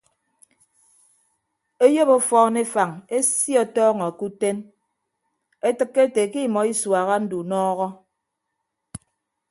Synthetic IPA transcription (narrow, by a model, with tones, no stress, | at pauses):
e˦jo˦bo˦fɔː˦ne˦fa˨ŋe˦sjɔ˨tɔː˦ŋɔ˨ku˦te˦n | e˦tɨ˨kːe˦te˨ki˦˨mɔ˨i˦swa˨ɣa˦n̩˦du˨nɔː˦ɣɔ˦